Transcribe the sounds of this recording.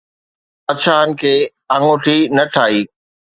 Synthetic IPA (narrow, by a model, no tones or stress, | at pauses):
ɐt͡ɕʰaɦənɪ̆kʰeː | ɐ̃ŋoʈʰinɐʈʰaːiː